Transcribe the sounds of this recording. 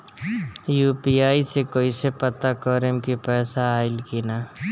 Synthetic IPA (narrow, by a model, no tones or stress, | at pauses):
juːpiaːisekoːisepət̪akɔɾemkipɛːsaːɪlkina